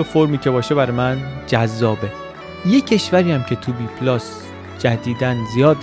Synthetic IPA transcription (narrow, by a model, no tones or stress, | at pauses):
efo̞ɾmiːcʰe̞bɒːʃebæɾmænd͡ʒæzːɒːbe̞ | jecʰe̞ʃvæɾiːjæmcʰe̞t̪ʰubiːpʰlɒs | d͡ʒæd̪iːd̪ænzijɒːd̪